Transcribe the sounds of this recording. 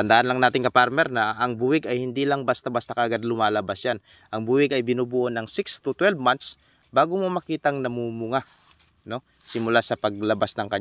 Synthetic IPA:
t̪ɐnd̪aːʔɐnlɐŋnaːt̪ɪŋkɐpaɾmɛɾnɐʔɐŋbuːwɪɡɐjhɪnd̪iːlɐŋbast̪abast̪akɐʔɐɡad̪lʊmaːlɐbasjan | ʔɐŋbuːwɪɡɐjbɪnubuːʔonɐŋsɪkst̪ʊt̪wɛlvmant̪s | baːɡʊmomɐkiːt̪ɐŋnɐmuːmʊŋa | no̞ | sɪmʊlasɐpɐɡ̚lɐbasnɐŋkɐɲ

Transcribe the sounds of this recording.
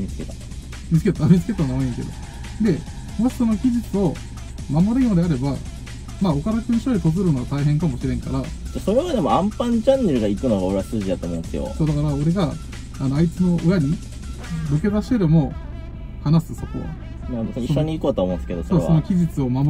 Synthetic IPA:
mʲit͡sɨ̥ket̪a | mʲit͡sɨ̥ke̞t̪amʲit͡sɨ̥ket̪amooĩŋke̞̰d̪o̞̰ | d̪e̞ | mo̞ɕi̥so̞no̞kʲiʑit͡sɨo̞ | mamo̞ɾɯjõːd̪e̞aɾe̞ba | maːo̞kaɾakɯ̃ɲ̃ɕoɾʲit̪ozɨɾɯnoɡat̪aiɦẽŋkamo̞ɕiɾẽ̞ŋka̰ɾat̪aso̞ɾeβad̪e̞mo̞ãmpãɲd͡ʑãnːeɾɯɡaikɯ̟noɡaoɾeasɨːʑid̪at̪oːmoɯ̃nesɨjo̰soːd̪akaɾao̞ɾe̞ɡaː | no̞ait͡sɨno̞ʔɯ̟jaɲ̟i | boke̞d̪aɕi̥t̪eɾemo̞ | hanasɨso̞ko̞̰ | masiɕːoɲ̟iikoːt̪oamõnd̪eske̞d̪osooːso̞no̞kʲiʑit͡sɨo̞mam

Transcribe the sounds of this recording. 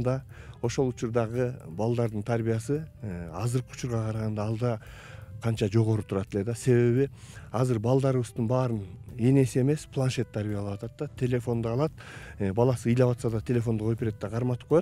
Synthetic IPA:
d̪ɑ | o̞ʃo̞lˠut͡ʃuɾd̪ɑʁəbɑlˠd̪ɑɾd̪ɨnt̪ʰaɾbijasɨɑ̰zɯɾqəu̥t͡ʃuɾʁɑqʰɑɾɑʁɑnd̪ɑːlˠd̪ɑ | qʰɑnt͡ʃɑd͡ʒo̞ʁo̞ɾut̪ʰuɾɑt̪e̞le̞d̪ɑse̞βe̞βi | ɑzɨɾbɑlˠd̪ɑɾɯʋɯzd̪ɨnbɑːɾɯne̞ne̞sie̞me̞spʰlˠanʃe̞t̪ʰːaɾbijɑlˠɑpwɑt̪ɑt̪ːɑt̪ʲʰe̞lʲe̞fo̞nd̪ɑːlˠɑt̪̚ː | bɑlˠɑsɨijlɑβɑt̪sɑd̪ɑt̪ʰe̞lʲe̞fo̞nd̪uqopeɾet̪ːeqʰɑɾmɑt̪ɯp̚qʰojot̪

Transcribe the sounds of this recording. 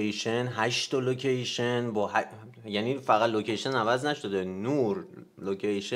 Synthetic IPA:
ejʃenɦæʃt̪olocʰejʃenbɒːhæ | jæniːfæɣæt̪locʰe̞jʃenævæznæʃod̪enuɾ | locʰejʃe

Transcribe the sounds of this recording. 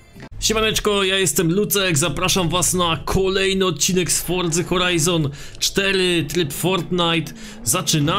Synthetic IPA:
ɕɛmanɛt͡ʂkɔjajɛst̪ɛmlut̪sɛkzapɾaʂamvasnakʰɔlɛjnɘɔt̪̚t͡ɕinɛkst̪fɔɾd̪zɘxɔɾajzɔn | t͡ʂt̪ɛɾɘt̪ɾɘpfɔɾt̪najt̪ | zat͡ʂɘna

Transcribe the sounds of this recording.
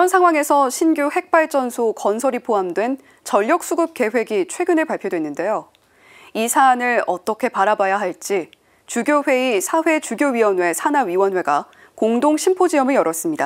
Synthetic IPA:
kiɾʌnsʰaŋɦwaŋe̞sʰʌɕʰinɡjohe̞k̚p͈aɭt͡ɕ͈ʌnsʰokʌnsʰʌɾipʰoɦamdwe̞n | t͡ɕʌʎːʌk̚s͈uɡɯp̚k͈e̞ɸwe̞ɡit͡ɕʰwe̞ɡɯnɯɭpaɭpʰjodwe̞nːɯnde̞jo | isʰaːnɯɭʌt͈ʌkʰe̞paɾabajaɦaɭt͡ɕ͈i | t͡ɕuɡjoɸwe̞isʰaɸwe̞t͡ɕuɡjoɥiwʌnwe̞sʰanaɥiwʌnwe̞ɡa | koŋdoŋɕʰimpʰod͡ʑiʌmɯɭjʌɾʌs͈ɯmɲida

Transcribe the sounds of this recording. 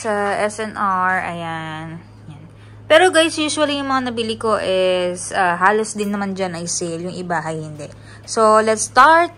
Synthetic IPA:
sɐʔɛsɛnʔaɹɐ̰jan | jan | pɛːɾo̞ɡajsjuːʃwɐlijʊŋmɐŋanɐbɪlɪko̞ʔɪsʔaːɦaːlosd̪ɪnːɐmand͡ʒanɐjsɪljʊŋʔɪbaɦɐjhɪnd̪ɛʔ | solɛt̪st̪aɹt̪̚

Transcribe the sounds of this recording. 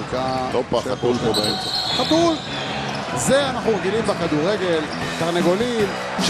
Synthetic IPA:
kalopaat̪ulpobeemt͡seχat̪ul | ze̞anaχnuʁeɡilimbekad̪uʁeɡe̞l | t̪aʁneɡo̞lim | ʃ

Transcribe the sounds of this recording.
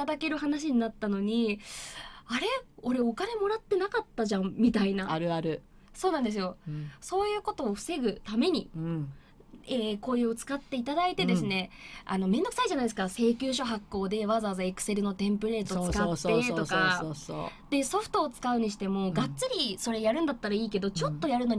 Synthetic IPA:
t̪ad̪ake̞ɾɯ̟ɦanaɕ̬iɲ̟inat̪ːano̞ɲ̟i | aɾe̞o̞ɾe̞okane̞mo̞ɾat̪ːe̞nakat̪ːaʑãmmʲit̪ainaaɾɯ̟aɾɯ̟ | so̞ːnãnd̪e̞s̬ɨjo̞so̞ːjɯ̟ːko̞t̪o̞ːɸɯ̟̥se̞ɡɯ̟t̪ame̞ɲ̟i | eːko̞ːjɯot͡sɨ̥kat̪ːe̞it̪ad̪ait̪e̞d̪e̞sɨne̞a̰no̞mẽ̞nd̪ok̟saiʑanaid̪esɨkase̞ːkʲɨːɕo̞ɦakːo̞ːd̪e̞βazaβazaekɯ̟̥se̞ɾɯ̟no̞t̪ẽ̞mpɯ̟ɾe̞ːt̪ot͡sɨkat̪ːeokaoso̰d̪̥e̞so̞ɸɯ̥t̪o̞ːt͡sɨ̥kaɯ̟ɲ̟iɕi̥t̪e̞mo̞ɡat͡st͡sɨɾʲiso̞ɾe̞jaɾɯ̟̃nd̪at̪ːaɾaiːke̞d̪o̞t͡ɕo̞t̪ːo̞jaɾɯ̟no̞ɲ

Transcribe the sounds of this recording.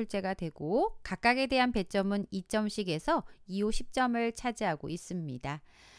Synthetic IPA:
uɭt͡ɕ͈e̞ɡadwe̞ɡokak͈̚aɡe̞de̞ɦanpe̞t͡ɕ͈ʌmɯnit͡ɕ͈ʌmɕʰiɡe̞sʰʌiuɕʰip̚t͡ɕ͈ʌmɯɭt͡ɕʰad͡ʑiɦaɡo̰is͈ɯmɲida

